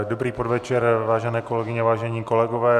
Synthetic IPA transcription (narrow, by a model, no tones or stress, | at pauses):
dobɾiːpodvɛt͡ʃɛɾvaːʒɛnɛːko̞lɛɡɪɲɛvaːʒɛɲiːko̞lɛɡovɛː